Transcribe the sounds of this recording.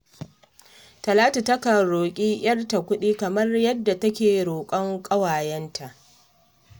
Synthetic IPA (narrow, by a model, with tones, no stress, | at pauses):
tɐ˨laː˦ta˨tɐ˦kɐ˨ɽoː˨kʲʼiː˦j̰ɐ˦rta˨kʷʊ˦ɗiː˦kɐ˨mɐ˦rjɐ˦dːa˨tɐ˦kʲeː˨ɽoː˨kʷʼɐ˦ŋkʼɐ˦waː˨jɛ˦ntʰa˨ʔ